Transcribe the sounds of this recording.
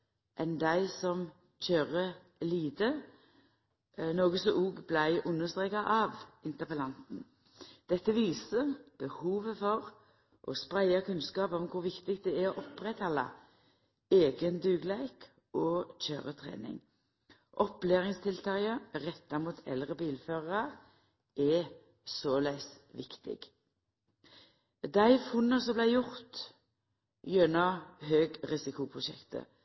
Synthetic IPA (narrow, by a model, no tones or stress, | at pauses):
ʔɛnd̪æɪsɔm | c͡çøːʁə | liːd̪ə | noːɡəsɔʔuːɡblæɪʔʊnːəst̪ʁeːkɑʔɑʋɪnt̪əʁpəlɑnt̪n̩ | d̪̥ɛt̪ːəʋiːsəb̥əhuːʋəfɔʁ | ʔɔspɾæɪɑkʰʉnskɑːpɔmkʰʊʋɪkt̪ɪkt̪̚d̪ɛæɾɔʔɔpːʁɛt̪hɑlːɑ̰ | eːɡənd̪ʉːɡlæɪk | ʔɔːc͡çø̰ːʁət̪ʰʁḛːnɪ̰ŋ | ʔɔpleːʁɪŋst̪ʰɪlt̪ʰɑəʁɛt̪ːɑmuːt̪ʰɛ̰lʁəbiːlføːʁɑʁ | ɛ | soːlæɪs | ʋɪkt̪ɪ̰ɡ̥ | d̪æɪfʊnːəsɔmblæɪjʊʁt̪ | jœnɑɦøːɡʁɪsɪkʊpʰʁʊʃɛ̰kt̪ə̰